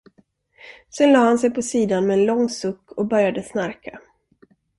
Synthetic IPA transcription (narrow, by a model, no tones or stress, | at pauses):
sɛnlɑːhansɛjpʰɔsiːd̪anmɛːnlɔŋːsɵkːɔkbœɾjad̪əsnaɾkʰa